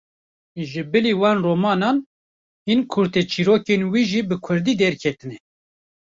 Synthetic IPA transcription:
ʒɨbɨliwɑːnroːmɑːnɑːn | hinkʰʊɾt̪et͡ʃʰiɾoːkenwiːʒiːbɨkʰʊɾd̪iːd̪ɛɾkʰɛt̪ɨnɛ

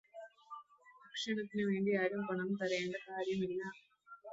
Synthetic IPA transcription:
ɐkʂɐɳɐt̪ːinɨʋe̞ːɳɖiaːɾumpɐɳɐmt̪ɐɾɐeːɳɖɐkaːɾjɐmilːɐ

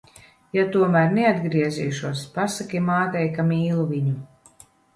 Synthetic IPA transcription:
jat̪uɔmæɾnɛad̪ɡɾiɛzḭːʃuɔspasakʲimaːt̪ɛjkamiːlˠuviɲu

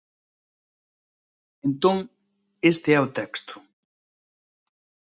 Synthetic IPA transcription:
ent̪õŋ | est̪eɛʊt̪ɛkst̪ʊ̥

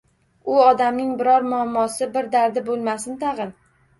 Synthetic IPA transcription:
ʊɒd̪amnɪŋbɪɾɒɾmʊamːɒsɪbɪɾd̪aɾd̪ɪbolˠmasɪnt̪ʰɑʁɨn

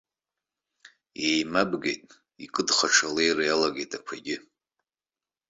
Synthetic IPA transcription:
ejmabɡejtʼ | ikʼɨdχaʈ͡ʂʰalejrajalaɡejtʼakʷʰaɡʲɪ

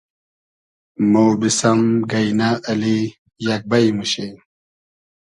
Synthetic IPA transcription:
mowbisɐmɡɐjnaːli | jak̚bɐjmuɕe

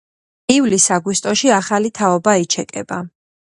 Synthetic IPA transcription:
ivlisaɡwist̪ʼɔʃiaχalit̪ʰaɔbait͡ʃʰɛkʼɛ̰ba

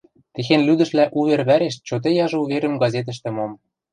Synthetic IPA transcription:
t̪exenlyd̪ɘ̆ʃlæʔuβerβæɾeʃt͡ɕot̪̬ejɑʒɤ̆uβeɾə̆mɡɑzʲet̪̬ə̆ʃ̬t̪ɘ̆mom

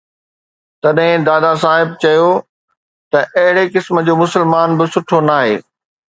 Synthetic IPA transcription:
t̪ɐɗɦɪ̃d̪aːd̪as̬aːɦɪb̚t͡ɕɐjo | t̪ɐʔɐɦɪɽekɪsmə̆d͡ʑoːmʊsəlmaːnbɪsʊʈʰonaːɦḛː

